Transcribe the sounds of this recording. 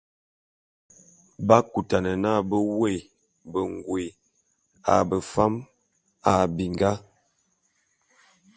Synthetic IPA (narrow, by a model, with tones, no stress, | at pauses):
ba˦ku˨ta˨nə˨na˦˨bə˦we˦˨ | bə˨ŋɡwe˨ | a̰˨bə˨fa˦m | a˨bi˨ŋɡa˦